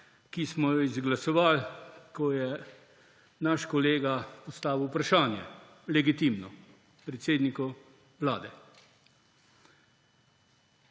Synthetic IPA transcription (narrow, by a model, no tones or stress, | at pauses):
kismɔjɔizɡlasɔʋalkɔjɛ | naʃkɔleːɡapɔst̪aːʋwpɾaʃaːnjɛ̰ | lɛɡit̪iːmnɔ | pɾɛt̪seːd̪nikɔ | ʋlaːd̪ɛ